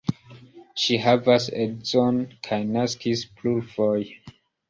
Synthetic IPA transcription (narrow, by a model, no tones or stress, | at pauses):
ʃiɦavasedzonkʰajnaskisplulvoj